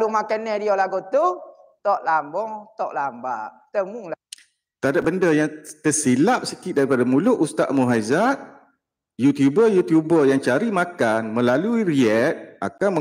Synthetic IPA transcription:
lumakanːɛdiolaɡot̪u | t̪ɔʔlambɔŋt̪ɔʔlambaʔ | t̪əmuŋla | t̪adap̚bəndəjaŋt̪ərsilap̚səkɪʔ̪̚daɾipadamulʊʔust̪a̰ʔmuɦajzat̪̚ | jut̪jubəjut̪jubərjaŋt͡ʃaɾimakanmə̃laluiɾiɛt̪̚a̰kanmə

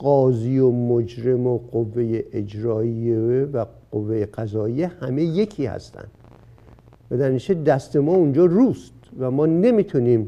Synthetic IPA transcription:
ɢɒːziːomod͡ʒɾe̞moɢovːe̞jeʔed͡ʒɾɒːieevæɢ̥ovːejeɢæzɒːijehæme̞je̞cʰiːhæ̰st̪æ̰nd̪ | væd̪æɾiʃed̪æst̪e̞mɒːund͡ʒɒːruːst̪væmɒːne̞mit̪ʰuniːm

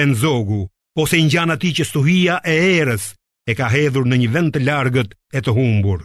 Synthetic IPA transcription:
ɛnzɔɡu | ɔsɛiɲɟanat̪icəst̪uɦijaʔɛɛɾəs | ɛkaɦɛðuɾnəɲəvɛnt̪əlaɾɡət̪ɛt̪əɦumbuɾ

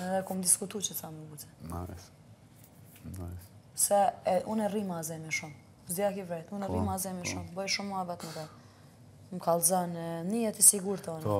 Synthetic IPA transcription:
ɛðɛkumd̪iskut̪ut͡ʃət͡samuɡut͡sɛ̥̰ | sɛʔunɛrimazɛmɛʃum | zd̪jakivɾɛt̪unɛrimazɛmɛʃumbɔjʃumavɛt̪nəɾɛ | mkalˠzanɛniɛt̪isiɡuɾt̪ɔn

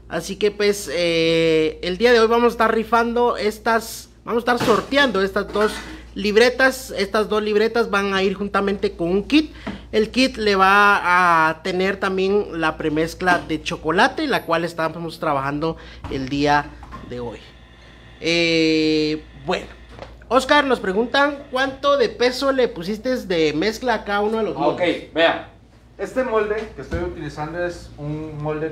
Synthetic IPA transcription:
a̰sikepwese | eld̪iaðeojβamosest̪aɾrifand̪oest̪as | bamosest̪aɾsoɾt̪jand̪oest̪azd̪os | liβɾet̪asest̪azd̪osliβɾet̪asβaŋaiɾxunt̪amẽnt̪ekonuŋkit̪̚elkit̪leβaː | t̪eneɾt̪ambjenlapɾemesklaðet͡ʃokolat̪elakwalest̪amost̪ɾaβaxand̪oeld̪iaðeo̰j | e | bweno̥ | oskaɾnospɾeɣunt̪aŋkwant̪oðepesolepus̬ist̪ezðemesklakaunoalosmokejbea | est̪emold̪ekest̪ojut̪ilisand̪oesunmold̪e

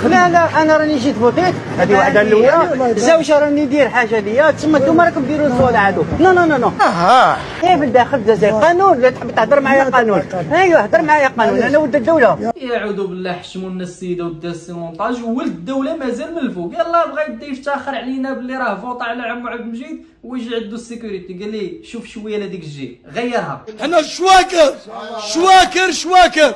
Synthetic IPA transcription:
lælæʔænæɾˤɑniʒit̪bot̪ˤit̪ | hæd̪iwaħd̪ælːuwæzæwʒaɾˤɑnid̪iɾħaʒæləjːæt̪səmːæt̪umɑɾˤɑkəmb̪iɾuzwɑd̪ʕad̪unænononoɦɑ | jæfəlb̪æxəld̪æzæjqɑnunlæt̪ħbit̪əħd̪əɾˤmaʕajaqɑnunhæjəħd̪əɾˤmaʕajaqɑnunʔænæwəd̪ːæd̪ːæwlajæʕud̪ubəlːæħəʃmunːæsːəjːd̪æwd̪ːæsimʊnt̪ˤɑʒwəld̪əd̪ːæwlæmæzælməlːfujælˤːɑbɣæj̚d̪ift̪æxəɾˤʕlinæbəlːiɾˤɑhfot̪ˤɑʕlæʕəmːʕəb̪mʒid̪̚ | wəʒiʕəd̪ːusːəkuɾit̪iɡælːiʃufʃwæjːælæd̪ikʒi | ɣæjːəɾˤhæ̰ʔænːæʃwækəɾˤʃwækəɾʃwækəɾˤ

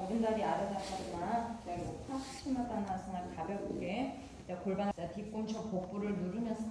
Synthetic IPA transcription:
oɾɯndaɾiaɾad͡ʑat͈ad͡ʑɯnat͡ɕemopʰasʰɕʰimat͈annasʰɯnakabjʌkɡe | t͡ɕekoɭbaŋatip̚k͈ont͡ɕʰʌpok̚p͈oɾɯɭnuɾɯmjʌnsʰ

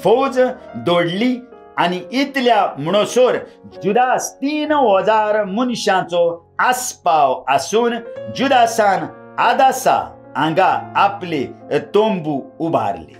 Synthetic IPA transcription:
fɔwd͡zd̪oɽli | aniit̪ljamɳ̃ɔsɔɾd͡ʑud̪ast̪iːnɦɔd͡zaɾmunɕãt͡sɔ | aspawəsuːnd͡ʑud̪asãn | ad̪asa̰ | ãŋɡaːplet̪ombuːbʱa̰ɾlḛ

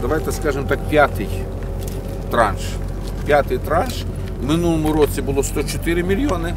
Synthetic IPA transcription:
d̪ɐʋajt̪ɛskɑʒɪmt̪ɑkpʲjat̪ɪj | t̪ɾɑnʃ | pʲjat̪ɪjt̪ɾɑnʃ | mɪnulˠɔmʊɾɔt͡sʲibʊlˠɔst̪ɔt͡ʃɔt̪ɪɾɪmʲilʲjɔnɪ

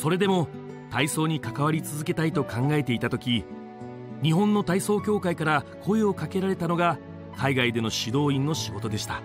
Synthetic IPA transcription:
so̞ɾe̞d̪e̞mo̞ | t̪aiso̞ːɲ̟ikakaβ̞aɾʲit͡sɨzɨke̞t̪ait̪o̞kãŋɡae̞t̪e̞it̪at̪o̞kʲi | ɲ̟iɦõ̞nːo̞t̪aiso̞ːkʲo̞ːkaikaɾakʰo̞eo̞kake̞ɾaɾe̞t̪ano̞ɡa | kʰaiɡaid̪e̞no̞ɕid̪o̞ːĩnːo̞ɕiɡo̞t̪o̞d̪e̞ɕi̥t̪a

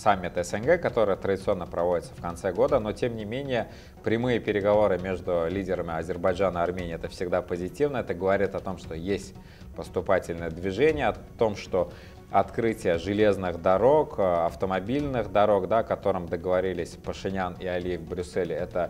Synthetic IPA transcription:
samʲːɪt̪ɛsɛnɡɛkɐt̪o̞ɾəɨjət̪ɾədʲɪt̪sɨo̞nːəpɾɐvo̞dʲɪt̪sə̥fkɐnt̪sɛɡo̞d̪əno̞tʲe̞mnʲɪmʲenʲɪjə | pɾʲɪmɨjəpʲɪɾʲɪɡɐvo̞ɾɨmʲe̞ʐd̪ʊlʲidʲɪɾəmʲɪɐzʲɪrbɐʐanɐrmʲenʲɪːɛt̪əfsʲɪɡd̪apəzʲɪtʲivnəɛt̪əɡəvɐɾʲit̪ɐt̪o̞mʂt̪o̞jesʲtʲ | pəst̪ʊpatʲɪlʲnɨjəd̪vʲɪʐenʲɪjəɐt̪o̞mʂt̪o̞ | ɐt̪kɾɨtʲɪjəʐɨlʲe̞znɨxd̪ɐɾo̞kːɐft̪əmɐbʲilʲnɨxd̪ɐɾo̞kd̪aɐkɐt̪o̞ɾɨmd̪əɡəvɐɾʲilʲɪsʲpəʂɨnʲanɪɐlʲijɪvʲbɾʲʊsːɛlʲɪɛt̪ə

